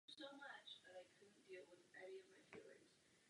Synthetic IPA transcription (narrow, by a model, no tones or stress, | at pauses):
soʊmʌt͡ʃðɨɾaɪkʰʊdⁿn̩d̥ilˠwɪðʔɛniʌvmaɪfilˠɪ̰̃z̥